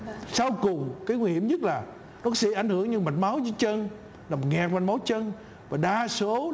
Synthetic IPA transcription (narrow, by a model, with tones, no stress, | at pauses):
sa˧wkʊ˨˩ŋ͡mkaː˨˦ŋwi˧hi˧˨əmɲə˦˥t̚laː˨˩ | nɔ˨˦kɔ˨˦sḭ˧˨ʔa˧˩jŋ̟hɨ˧˥əŋɲɨ˧ma˨˩t̚ma˨˦wzɨː˨˦jt͡ɕə˧n | laː˨˩mo˨˩ŋɛ˨˩k̚ma˨˩t̚ma˨˦wt͡ɕə˧n | vaː˨˩ɗaː˧so˨˦